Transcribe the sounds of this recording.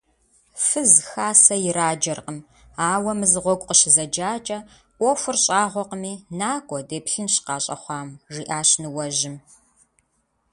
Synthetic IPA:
fɨzxaːsɐjɪɾaːd͡ʒɐrqəm | aːwɐmɨzʁʷɔɡʷʼqəɕɪzɐd͡ʒaːt͡ʃʼɐ | ʔʷɔfʷɨrɕʼaːʁʷɔqəmiːnaːkʷʼɔdeːpɬɨnɕqɑːɕʼɐ̰χʷɑːmʐiːʔaːɕnɨwɐʒɪm

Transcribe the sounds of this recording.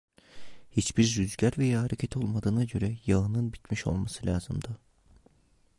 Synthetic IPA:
hit͡ʃbiɾzyzɟæɾvɛjaɦaɾecʰet̪ʰo̞lˠmad̪ɯːnaɟø̞ɾɛjaɯnɯnbit̪miʃo̞̰lˠmasɯlʲaːzɯmd̪ɯ

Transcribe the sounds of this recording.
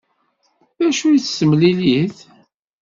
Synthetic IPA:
ðæʃujit͡sːsəmliliθ

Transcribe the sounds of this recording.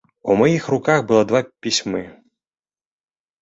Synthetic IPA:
umɔjixrʊkaɣbʊlˠɔd̪ʋapʲisʲmɪ

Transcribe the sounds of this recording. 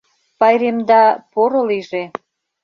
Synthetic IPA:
pɑjɾemd̪ɑpoɾoliʒe

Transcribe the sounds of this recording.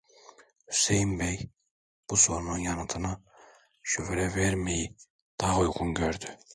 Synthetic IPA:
hy̥sejimbej | b̥usoɾnɯnjɑnɯt̪ʰɯna | ʃyvɾɛvɛɾmeji | d̪̥aujɡunɟøɾd̪y

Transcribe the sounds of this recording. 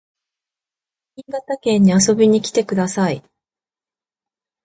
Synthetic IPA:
ɲĩŋɡat̪akẽ̞ɲ̟ːiaso̞bʲiɲ̟ikʲi̥t̪e̞kɯ̟d̪asai

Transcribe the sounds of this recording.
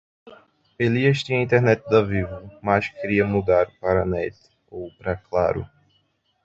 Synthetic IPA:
eliɐʃt̪ĩɲɐĩt̪ɛɦnɛt̪ɪd̪ɐvivɐmaskeɾiɐmud̪aɾʊpaɾɐnɛt̪ɪ̥ | owpɾɐkla̰ɾʊ̰

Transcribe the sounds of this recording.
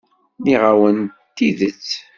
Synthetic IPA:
niʁawənt̪ːiðət͡sː

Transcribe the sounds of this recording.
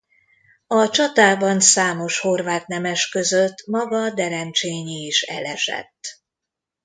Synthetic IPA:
ɒt͡ʃɒt̪aːbɒnsaːmo̞ʃho̞rvaːt̪nɛmɛʃkø̞zøt̪ːmɒɡɒd̪ɛɾɛnt͡ʃeːɲiːʃɛ̰lɛʃɛ̰t̪ː

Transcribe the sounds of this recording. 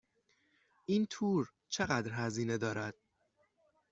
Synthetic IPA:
ʔiːnt̪ʰuːɾ | t͡ʃʰe̞ɣæd̪ɾɦæziːne̞d̪ɒːɾæd̪̥̚

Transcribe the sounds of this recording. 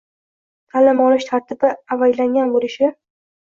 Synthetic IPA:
t̪ʰalɪmɒnɪʃt̪ʰaɾt̪ɪbɪavajlaŋɡʲanbolɪʃɪ

